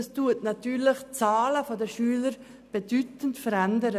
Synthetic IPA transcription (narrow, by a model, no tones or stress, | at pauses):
ɛstuətnatyːɾlɪχt͡saːləfodɛʃyːləɾ | b̥edytəntfəɾɛndəɾə